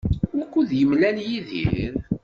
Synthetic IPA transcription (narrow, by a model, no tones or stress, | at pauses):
ækʷːuðjəmlænjiðḭɾ